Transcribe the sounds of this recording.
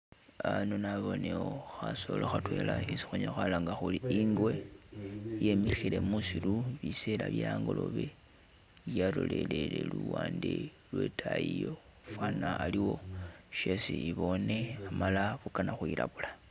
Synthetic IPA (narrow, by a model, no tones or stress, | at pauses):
aanonaβo̞neoxaso̞loxatwe̞laisi̥xuɲoxalaŋɡaxuliiŋɡwe̞ | je̞mixile̞musiluβiselaβjaːŋɡo̞lo̰βe | jaloleleleluwaːnde | lwetʰajijo | fwanaːliwo̞ʃe̞siiβo̞ne̞amalaβukanaxwilaβula